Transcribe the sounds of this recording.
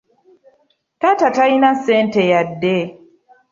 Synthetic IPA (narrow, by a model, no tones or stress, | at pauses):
tatatainasẽntejadːe